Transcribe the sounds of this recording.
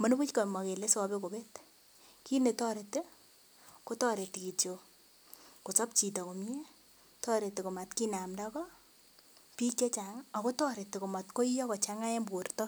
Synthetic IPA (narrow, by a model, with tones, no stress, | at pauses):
mo˦n˦bu˦t͡ʃkɔ˨ma˨ke˨le˦sɔ˨be˦ko˨be˦t | ki˦ne˨tɔ˦ɾe˨te˦ | ko˦tɔ˦ɾe˨ti˨ki˨t͡ʃo˨ | ko˨t͡sɔ˦p̚t͡ʃi˨tɔ˨ko˨mi˦e˦ | tɔ˦ɾe˨te˨ko˨ma˨tki˦na˨mda˦kɔ˦ | pi˦t͡ʃe˦t͡ʃaŋɔ˨ko˦tɔ˦ɾe˨te˨ko˨ma˨tko˦ijɔ˦kɔ˨t͡ʃaŋa˦je˦mbu˨rtɔ˦